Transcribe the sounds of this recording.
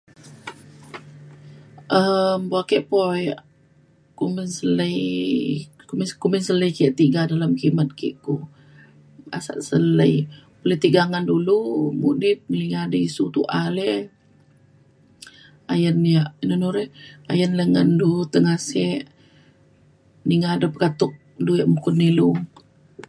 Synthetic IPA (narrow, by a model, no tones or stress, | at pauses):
ʔəmbakɛʔpojʔ | kumənsələj | kumikumənsələjkɛʔt̪iɡadalamkimət̪̚kḭʔku | a̰sa̰ʔsələjpulət̪iɡaŋandulumudɪp̚liŋadəisut̪uʔale | ajənjaʔinonuɾɛhajənləŋandut̪əŋasɛʔ | niŋadəpəkat̪ʊk̚ | dujaʔmukʊnːilu